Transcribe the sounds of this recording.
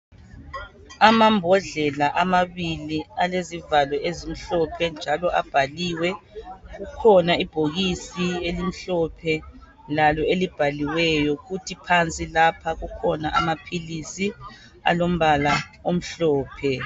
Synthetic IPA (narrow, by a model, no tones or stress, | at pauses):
amambʱɔɮɛlaʔamaβilialezivalwɛʔezim̩ɬɔpʰɛnd͡ʒʱalɔʔab̥ʱaliwɛɣukʰɔnaib̥ʱoɣisielim̩ɬɔpʰɛ | lalɔelib̥ʱaliwɛjɔɣutʰipʰant͡sʼilapʰaɣukʰɔnaʔa̰mapʰilisi | a̰lom̩βalaom̩ɬɔːpʰɛ